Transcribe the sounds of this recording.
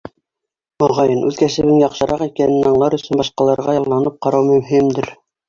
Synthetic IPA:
ŏʁɑjɤnʔʉðkæʃɘ̆βɘŋjɑqʃɤ̆ɾʔɑqikænɘnɑɴlˠɑɾɵ̆sɵnbɑʃqɑlˠɑɾʁɑjɑlˠːɑnɤp̚qɑɾɑwmɵ̆mɦimd̪ɘɾ

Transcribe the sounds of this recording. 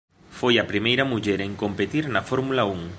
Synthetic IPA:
fojɐpɾimejɾɐmuʎeɾeŋkompet̪iɾnɐfoɾmulauŋ

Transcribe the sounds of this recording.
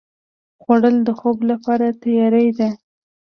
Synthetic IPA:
ɣwaɽəld̪əxoblapɑɾat̪ajɑɾajd̪a

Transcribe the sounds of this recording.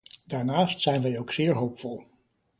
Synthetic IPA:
daːɹnaːstsɛjnʋɛjowksɪːɹɦowpfɔlˠ

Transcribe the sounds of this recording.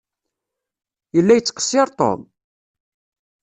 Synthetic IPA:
jəlːæjət͡sːqə̥sːɪɾˤt̪ˤɔ̰n

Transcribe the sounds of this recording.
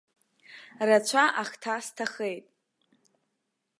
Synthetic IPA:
rat͡ɕʷʰaʔaχtʰastʰaχejtʼ

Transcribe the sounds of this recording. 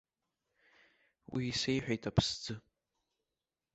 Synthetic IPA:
wḭːse̞jħᶣejtʰapʰsd͡zɨ

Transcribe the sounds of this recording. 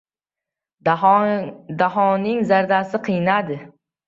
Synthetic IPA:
d̪aɦɒnɪŋzaɾd̪asɪqʰɨjnad̪ɪ

